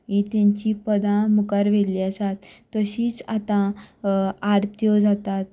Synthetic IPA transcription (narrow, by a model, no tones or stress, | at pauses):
mit̪ãɲt͡ɕipəd̪ãmukaɾʋeliəsat̪ːəɕiːt͡sa̰t̪ã | aɾt̪ʰjɔd͡zat̪at̪̚